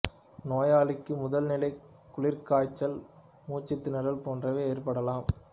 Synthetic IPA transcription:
noːjaːlɪkːɯmʊðɐlnɪlɐɪ | kːʊɭɪɾkaːt͡ʃːɐl | muːt͡ʃːɪt̪ːɪnɐɾɐlpoːndrɐʋeːeːrpɐɽɐlaːm

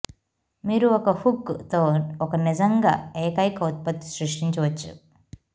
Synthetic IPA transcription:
miːɾuɔkɐhukːt̪oːɔkɐnid͡ʒɐŋɡa̰ːeːkɐjkɐut̪̚pɐt̪ːi̥sɾiʂʈiɲt͡ʃɐʋɐt͡ʃːṵ

